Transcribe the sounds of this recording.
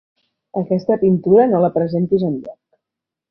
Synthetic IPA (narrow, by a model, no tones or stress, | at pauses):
əkɛst̪əpint̪uɾənoləpɾəzent̪izənʎɔk